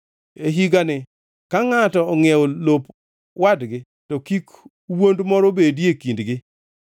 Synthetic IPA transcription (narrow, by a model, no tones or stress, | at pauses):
eɦiɡanɪ | kaŋatɔːŋɛolop | wadɡɪ | tɔkik | wondmɔɾobedjekindɡɪ